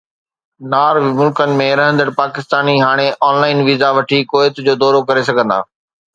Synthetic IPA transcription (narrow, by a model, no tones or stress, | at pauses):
naːɾʋmʊlkənɪ̆mẽɾɐɦə̃nd̪əɽpaːkɪst̪aːniɦaːɽ̃eʔɔːnlaːɪnʋiːzaʋɐʈʰikoːɪt̪d͡ʑoːd̪ɔːɾokɐɾes̬ɐɡʱə̃nd̪a̰ː